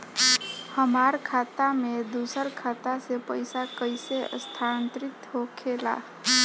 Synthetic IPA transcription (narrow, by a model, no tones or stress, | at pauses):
həmaɾkʰat̪amed̪usəɾkʰat̪asepəjsakəɪseə̰st̪ʰant̪ɾit̪ɦokʰela̰